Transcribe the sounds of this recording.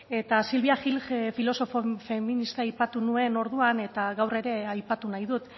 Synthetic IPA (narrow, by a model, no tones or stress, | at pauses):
e̞t̪asilβiaxilɣefilo̞so̞fofeminist̪aajpat̪unue̞no̞ɾðuane̞t̪aɣawre̞ɾe̞ajpat̪unajðut̪